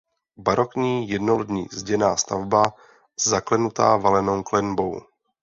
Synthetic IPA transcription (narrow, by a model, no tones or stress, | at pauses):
baɾokɲiːjɛdnoldɲiːzɟɛnaːst̪a̰vba | zːaklɛnut̪a̰ːvalɛnowklɛnbow